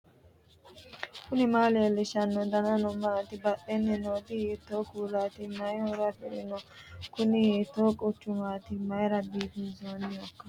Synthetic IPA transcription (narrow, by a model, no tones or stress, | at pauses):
kʊnɪmaːleːlɛʃɐnːɔd̪ɐnɐnɔmaːt̪ɪbɐʔɛnːɛnoːt̪ɪhet̪ːoːkuːlaːt̪ɪmɐjoɾɐfɛɾɪnɔkʊnɪhet̪ːoːkʼʊt͡ʃːʊmaːt̪ɪmɐjɪɾɐbiːt̪ɪzoːnɪjɔkːɐ̥